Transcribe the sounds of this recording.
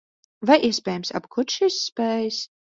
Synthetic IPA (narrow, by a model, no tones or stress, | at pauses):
vajʔiɛspʲɛːjamsa̰bkʰut̪ʃisːpɛːjs